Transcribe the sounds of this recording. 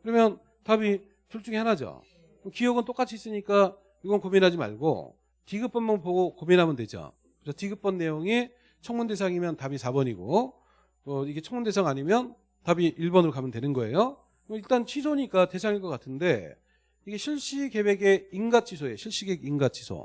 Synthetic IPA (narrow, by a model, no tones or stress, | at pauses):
kɯɾʌmjʌn | tabi | t͡ɕuɭt͡ɕ͈uŋihanad͡ʑa̰ | mʌkijʌɡɯnt͈ok͈at͡ɕʰiis͈ɯɲik͈a | iɡʌnkominɦad͡ʑima̰ɭɡo̰ | tiɡɯp͈ʌnmanpoɡokominɦamjɯndwe̞d͡ʑa̰ | kɯt͡ɕʰʌtiɡɯp͈ʌnːe̞joŋi | t͡ɕʰʌŋmunde̞sʰaŋimjʌntabisʰabʌɲiɡo̰ | ʌiɡe̞t͡ɕʰʌŋmunde̞sʰaŋaɲimjʌn | tabiiɭbʌnɯɾokamjʌndwenɯnɡʌe̞jo | ʌiɭt͈ant͡ɕʰisʰoɲik͈ate̞sʰaŋiɭk͈ʌk͈atʰɯnde̞ | iɡe̞ɕʰiɭɕ͈ike̞be̞ɡe̞iŋɡat͡ɕʰisʰoje̞ɕʰiɭɕ͈iɡe̞ɡinɡat͡ɕʰi̥sʰo̰